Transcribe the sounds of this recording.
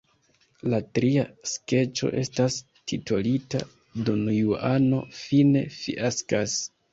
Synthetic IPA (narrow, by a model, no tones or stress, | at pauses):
latɾiaske̞t͡ʃo̞̰ʔe̞̰stas | tʰitʰolita̰ | dunjuano̞fine̞fḭʔaskas